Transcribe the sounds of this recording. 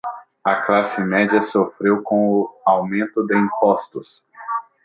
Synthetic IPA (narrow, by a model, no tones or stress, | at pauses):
ɐklasɪmɛd͡ʒiɐsofɾewkõʊawmẽnt̪ʊd̪ɪĩpɔst̪ʊs